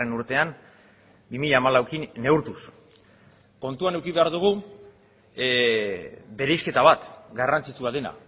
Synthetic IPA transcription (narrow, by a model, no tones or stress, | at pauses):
enuɾt̪e̞an | bimiʎaːmalawkine̞uɾt̪us | ko̞nt̪uane̞wkiβe̞aɾðuɣ̞u | be̞ɾejske̞t̪aβat̪ɡarant͡sit͡suaðe̞na̰